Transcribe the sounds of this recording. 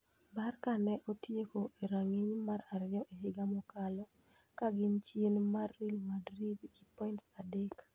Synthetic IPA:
barkanɛʔotjekoʔeɾaŋiɲmaɾaɾɪjɔʔeɦɪɡamɔkalɔ | kaɡɪnt͡ʃjenmarːilmadɾidɡipɔintsadek

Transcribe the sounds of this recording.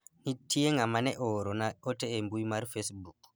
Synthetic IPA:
nitʰːijɛŋamanɛʔɔɾɔnaɔtɛːmbujmaɾfesbuk

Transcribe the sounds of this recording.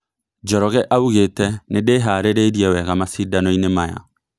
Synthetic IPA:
d͡ʒɔɾɔɣɛʔauɣetɛnedeɦaɾeɾeɾiɛwɛɣamasidanɔinemaja̰

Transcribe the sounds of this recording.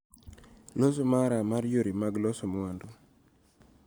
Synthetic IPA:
losomaɾamaɾjoɾimaɡlɔsomwando

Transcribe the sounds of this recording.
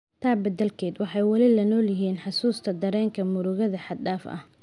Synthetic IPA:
t̪ʰaːbɐd̪ɐlkʰɛːd̪wɑħɑjwɑlɪlɐnɔːlɪɦiːnħɑsuːst̪ʰɐd̪ɐɾɛːŋkʰɐmʊɾʊɣɐðɐħɑd̪daːfʔɐ̰h

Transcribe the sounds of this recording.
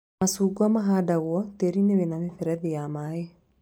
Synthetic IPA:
masuɡuamaɦadaɣwɔt̪eɾineβenanefɛɾɛðejamae

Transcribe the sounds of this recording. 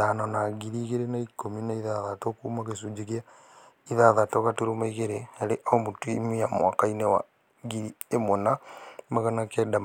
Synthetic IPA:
anɔnaɣiɾiɣeɾenaikominaiðaðatokuːmaɣesud͡ʒeɣja | iðaðatoɣatuɾomaiɣeɾeaɾeʔaomutuimiamwakainewa̰ | ɡiɾiemonamaɣanakɛdam

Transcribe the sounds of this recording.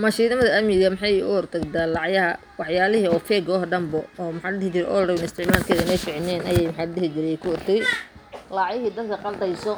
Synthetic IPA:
mɐʃiːnɪmɐðɐɐmɪɣɐmɪħɑjʊ̰ɔrt̪ʰɐɡd̪aːlɑʕjɐɦɐ | wɑħjaːlɪɦiɔːfɛːɡɔːɦɐɖɐmbɔɔːmħɑːɖɪhɪt͡ʃɪɾɛʔɔlrɐβɪnɪst̪ʰɪʕmaːlkʰɛðɐɪnɛjfɪʕɪnɛːnɐjɛjmħɑːɖɪhɪt͡ʃɪɾɛkʰʊɔrt̪ʰɐɣ | lɑʕjɪɦiːd̪ɐd̪kʰɐqɑld̪ɛjsɔ

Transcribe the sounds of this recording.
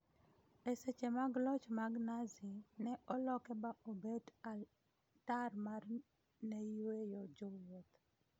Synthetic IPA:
eset͡ʃemaɡlɔt͡ʃmaɡnazinɛʔɔlɔkɛbaobeda | tarmar | nejwejɔd͡ʒowot̪

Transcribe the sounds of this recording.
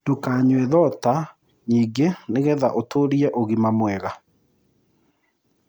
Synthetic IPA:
d̥okaɲweðɔta | ɲiːɡeneɣɛða̰ʔotoːɾiɛʔoɣimamwɛɣa

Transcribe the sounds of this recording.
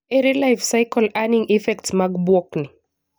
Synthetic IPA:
eɾilajfsajkɔlaniŋifɛktsmaɡbwɔknɪ

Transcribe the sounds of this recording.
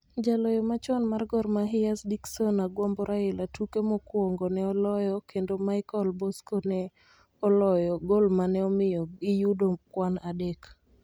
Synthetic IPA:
d͡ʒalɔjɔmat͡ʃɔnmarɡɔrmaɦɪasdiksɔnaɡwɔmbɔɾʔaɪlatukemɔkwɔŋɡɔnɛɔlɔjɔkendomaɪkɔlbɔskonɛ | ɔlɔjɔɡolmanɛɔmɪjɔɡɪjudokwanadɛk

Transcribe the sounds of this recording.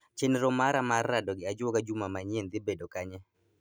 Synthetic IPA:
t͡ʃenɾɔmaɾamarːadɔɡɪad͡ʒoɡad͡ʒumamaɲend̪ɪbedokaɲɛ

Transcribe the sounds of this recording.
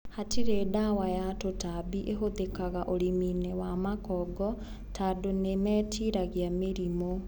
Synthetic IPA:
hatiɾedawajatotabiʔeɦoðekaɣaʔoɾiminewamakɔɡɔ | tʰadonemɛːtʰiɾaɣjameɾimo

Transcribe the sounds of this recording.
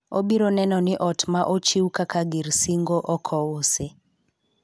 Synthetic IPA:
obiɾonɛnɔnɪʔɔtmaʔot͡ʃiwkakaɡiɾsiŋɡoʔɔkʰɔose

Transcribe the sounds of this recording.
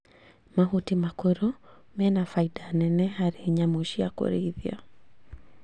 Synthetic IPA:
maɦutimakeɾɔ | mɛnafaidanɛnɛɦaɾeɲamoʃiako̰ɾeiðia̰

